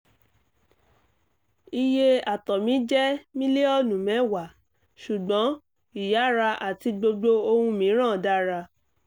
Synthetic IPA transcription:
i˧je˦˧a˨tɔ˨mĩ˨˦d͡ʒɛ˦mĩ˦le˦ɔ˦nũ˨mɛ̃˨˦˨wa˨ | ʃu˨ɡ͡bɔ̃˨˦ | i˨ja˨˦ɾa˧ʔa˨ti˧ɡ͡bo˧ɡ͡bo˧o˧hũ˧mĩ˨˦ɾ̃ã˦˨da˦ɾa˧

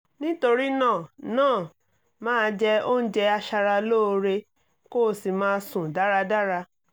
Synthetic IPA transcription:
nĩ˦to˧ɾi˦nãː˦˨nãː˦˨ | mãː˦d͡ʒɛ˧o˦n̩˦d͡ʒɛ˧a˧ʃa˧ɾa˧lo˦˧ɾe˧ | ko˦˨si˨mãː˦sũ˨da˨˦ɾa˧da˦ɾa˧

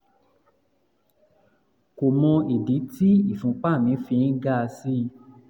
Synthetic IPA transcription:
ko˨mɔ̃˧i˨di˨˦tʰi˦i˦˨fũ˨˦k͡pa˦˨mĩ˨˦fĩ˧n̩˦ɡa˦˧si˦˧

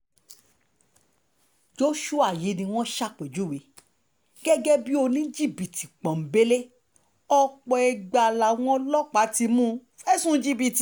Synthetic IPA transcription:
d͡ʒo˦ʃu˦a˨je˨˦nĩ˧w̃ɔ̃˦ʃa˦˨k͡pe˨d͡ʒu˨˦wi˨˦ | ɡ̥ɛ˦ɡɛ˦bi˦o˧nĩ˦d͡ʒi˦˨bi˨ti˨k͡pã˨m̩˨be˦le˦ | ɔ˧k͡pɔ˧ɛ˧ɡ͡ba˧˨la˨w̃ɔ̃˦lɔ˦k͡pa˨˦ti˧mũ˦ | ɛ˦sũ˦d͡ʒi˦bi˧˨ti˨

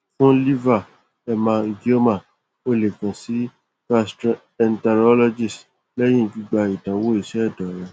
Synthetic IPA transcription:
fũ˦li˦va˦˨ | ɛ˧mã˧ɡi˦o˦mã˦˨ | o˧le˨kã˨si˨˦ | ka˧st | ɛ˨ntɛ˧ɾɔ˦lɔ˧d͡ʒi˦˨s | lɛ˦j̃ĩ˦˨d͡ʒu˦ɡ͡ba˧i˨dã˨˦wo˦i˦˨ʃɛ˦ɛ˦˨dɔ˨ɾɛ˨

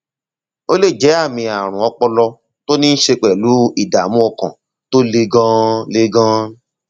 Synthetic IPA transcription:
o˦le˦˨d͡ʒɛ˨˦a˦˨mĩ˧a˨ɾ̃ũ˨ɔ˧k͡pɔ˧lɔ˧ | to˦nĩ˦n̩˦ʃe˧k͡pɛ˨lu˨˦i˦˨da˨mũ˦ɔ˧kã˨ | to˦le˧ɡã˦le˦ɡã˦

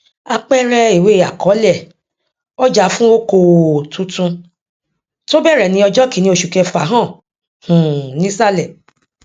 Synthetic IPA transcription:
a˧k͡pɛ˦ɾɛ˧i˨we˨˦˨a˨kɔ˨˦lɛ˦˨ | o˦d͡ʒa˨˦fũ˦o˦ko˧wtũ˨˦tũ˧ | to˦bɛ˦˨ɾɛ˨nĩ˨˦ɔ˧d͡ʒɔ˦ki˨˦nĩ˧˦o˧ʃu˨kɛ˧fa˨˦ɦã˦˨ | hũ˨nĩ˦sa˦˨lɛ˨

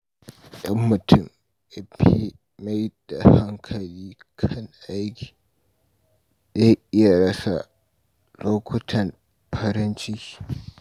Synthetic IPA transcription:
ɗɐ˦mːʊ˨tʰʊ˦˨m | ʔa˨pi˦ | ma˦jd̥a˨ha˦ŋkʰɐ˨liː˦ | kʰɐ˦ŋʔa˦jkʲʰi̥ː˨ | ɗa˦ʔɪ˦ja˨ɽɐ˦sa˨ | loː˦kʷʊ˦tʰɐ˨n | pʰɐ˦ɾɪ˦nt͡ʃi˦i̥˨

